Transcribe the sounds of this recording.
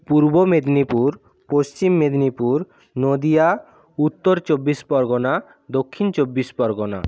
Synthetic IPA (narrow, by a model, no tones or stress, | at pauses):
puɾbomed̪nipuɾ | post͡ɕimːed̪nipuɾ | nod̪ija | ut̪ːoɾt͡ʃobːispɔɾɡona | d̪okʰːint͡ʃobːispɔɾɡona̰